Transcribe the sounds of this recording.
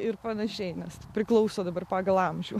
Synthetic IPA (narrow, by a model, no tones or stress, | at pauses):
ɪɾpɐnɐʃʲɛɪnʲɛspʲɾʲɪklˠɐʊsoːd̪ɐbɐrpɑːɡɐlˠɐmʲʒʲuː